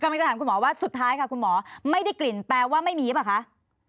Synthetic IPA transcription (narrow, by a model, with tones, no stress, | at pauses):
ka˧ma˧ŋt͡ɕtʰaː˩˦mku˧nmɔː˩˦waː˥˩su˨˩t̪ʰːaː˦˥jkʰa˦˥˩kʰu˧nmɔː˩˦ma˥˩jda˥˩jkli˨˩nplɛː˧waː˥˩ma˥˩jmiː˧i˦˥pa˨˩kʰa˦˥ʔ